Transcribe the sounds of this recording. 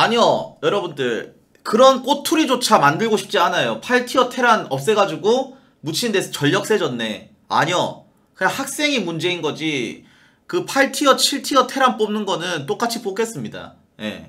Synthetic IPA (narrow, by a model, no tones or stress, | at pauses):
aɲʌjʌɾʌbundɯɭ | kɯɾʌnk͈otʰuɾid͡ʑot͡ɕʰamandɯɭɡoɕʰi̥p̚t͡ɕ͈ianajopʰaɭtʰiʌtʰe̞ɾanʌp̚s͈e̞ɡad͡ʑuɡo | mut͡ɕʰindesʰʌt͡ɕʌʎːʌk̚s͈e̞d͡ʑʌnːe̞ | a̰ɲʌ | kɯahak̚s͈e̞ŋimund͡ʑe̞inɡʌd͡ʑi | kɯpʰaɭtʰiʌt͡ɕʰiɭtʰiʌtʰe̞ɾanp͈omnɯnɡʌnɯnt͈ok͈at͡ɕʰipok͈e̞s͈ɯmɲida̰ | je̞̰